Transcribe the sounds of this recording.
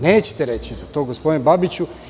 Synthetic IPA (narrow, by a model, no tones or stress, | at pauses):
neːt͡ɕe̥t̪eɾe̞t͡ɕizat̪o̞ːɡospod̪inbabit͡ɕu